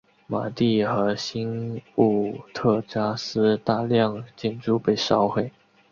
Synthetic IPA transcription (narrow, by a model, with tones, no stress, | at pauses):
ma˨˩t̪i˥˩xɤ˧˥ɕi˥nu˥˩t̪ʰɤ˥˩ʈ͡ʂja˥sɹ̩˥t̪a˥˧ljɑ˥˧ŋt͡ɕɛ˥˧nʈ͡ʂu˥˧pe˥˩ɪʂɑ˥ʊxwe˥˩ɪ